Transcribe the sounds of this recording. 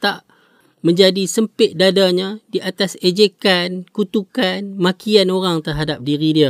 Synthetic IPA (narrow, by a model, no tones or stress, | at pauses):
t̪aʔ | mə̃ɲd͡ʒadisəmpɪt̪̚dadaɲãdiʔat̪ased͡ʒekankut̪ukanmakianoɾaŋt̪ərɦadap̚diɾidiə